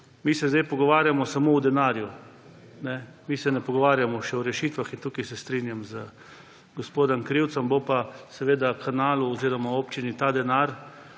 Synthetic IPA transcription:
misɛzd̪ejpɔɡɔʋaːɾjamɔsamowd̪ɛnaːɾju | nɛmiːsɛnɛpɔɡɔʋaːɾjamɔʃɛɔɾɛʃiːt̪ʋaxint̪uːkijsɛst̪ɾinjamzə | ɡɔspoːd̪ɔmkɾiwt̪sɔmbopasɛʋeːd̪akʰanaːluɔziːɾɔmaoːpt͡ʃinit̪ad̪ɛnaɾ

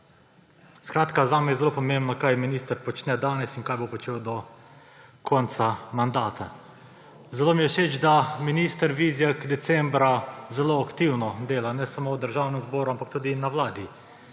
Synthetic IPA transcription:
skɾaːt̪kazaːmɛjɛzɛlopɔmembnɔkajminiːst̪əɾpɔt͡ʃnɛd̪aːnɛsiŋkaːjbopɔt͡ʃeːwd̪ɔ | kʰɔnt̪samand̪aːt̪ʰa̰ | zɛloːmijɛʃeːt͡ʃd̪aminist̪əɾʋizjakd̪ɛt̪sɛmbɾazɛloakt̪iwnɔd̪eːlanɛsamowd̪əɾʒaːwnɛmzbɔːɾuampak̚t̪uːd̪inawlaːd̪i

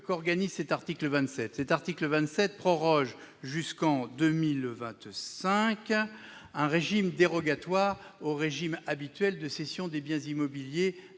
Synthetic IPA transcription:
kɔʁɡanizsɛt̪aʁt̪ikləvɛ̃t̪sɛt̪sɛt̪aʁt̪ikləvɛ̃t̪sɛt̪̚pχɔʁɔʒʒyskɑ̃d̪ømilvɛ̃t̪sɛ̃k | ɛ̃ʁeʒimd̪eʁɔɡat̪waːʁoʁeʒimabit̪ɥɛld̪əsesjɔ̃d̪ebjɛ̃zimɔbilje

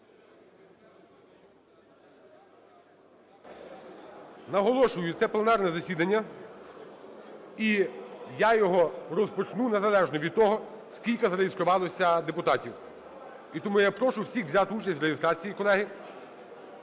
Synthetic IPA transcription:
nɐɦɔlˠɔʃʊjʊt̪sɛplˠenɑrnɛzɐsʲid̪ɐnʲːɐ | ijajɔɦɔrɔspɔt͡ʃnunezɐlˠɛʒnɔʋʲid̪̚t̪ɔɦɔ | skʲilʲkɐzɐɾejɪst̪ɾʊʋɑlˠɔsʲɐd̪epʊt̪ɑtʲiw | it̪ɔmujapɾɔʃʊwsʲixʋzʲat̪ɪut͡ʃɐsʲtʲɾeɦiɪst̪ɾɑt͡sʲijikɔlˠɛɦɪ

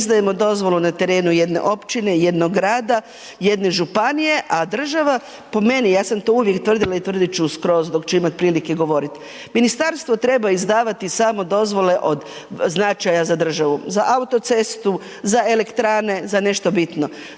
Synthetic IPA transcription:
zd̪aje̞mo̞d̪o̞zʋo̞lˠunat̪e̞ɾe̞ːnuje̞d̪ne̞̰ʔo̞pt͡ʃine̞je̞d̪noɡɾaːd̪a | jed̪neʒupanije̞ʔad̪r̩ʒaʋa | po̞me̞nijaːsamt̪o̞uʋje̞kt̪ʋr̩d̪ilˠait̪ʋr̩d̪it͡ʃuuskɾo̞ːzud̪o̞kt͡ʃeimat̪̚pɾiːlikeɡo̞ʋo̞ɾit̪ | minist̪aɾst̪ʋo̞t̪ɾe̞baizd̪aːʋat̪isaːmo̞d̪o̞zʋo̞le̞ʔo̞d̪ | znat͡ʃajazad̪r̩ʒaʋuzaʔaut̪o̞t̪se̞st̪u | zaele̞kt̪ɾaːne̞zane̞ʃt̪o̞bit̪no̞

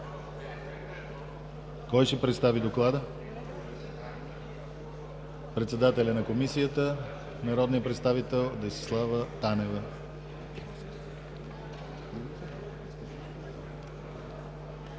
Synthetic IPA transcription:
kɔjʃɛpɾɛt̪st̪avid̪oklˠad̪ə | pɾɛt̪sɛd̪at̪ɛlʲənɐkomisijət̪ə | nɐɾɔd̪nijəpɾɛt̪st̪avit̪ɛlˠd̪ɐjsi̥slˠavət̪anɛvə

